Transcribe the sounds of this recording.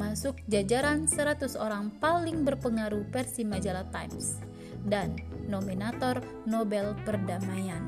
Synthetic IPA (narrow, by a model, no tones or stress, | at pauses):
masʊk̚d͡ʒad͡ʒaɾansəɾat̪usoɾaŋpalɪŋbərpəŋaɾupɛrsimad͡ʒalat̪ajms | danːominat̪ɔr | nɔbɛlpərdamajan